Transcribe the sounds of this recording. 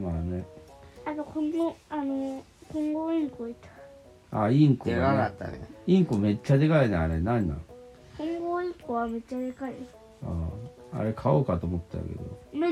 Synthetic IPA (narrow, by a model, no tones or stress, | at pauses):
maːneat̪okõnd̪eano | kõŋɡoːĩŋkoit̪ḁ | a̰ĩŋkoaat̪ːa̰nḛĩŋkome̞t͡ɕːad̪ekaineaɾenanːã̰ | kʰõŋɡoːĩŋkoβame̞t͡ɕːad̪e̞kai | a̰ː | a̰ɾe̞kʰaoːkat̪o̞ːmot̪ːea̰ke̞̰d̪o̰m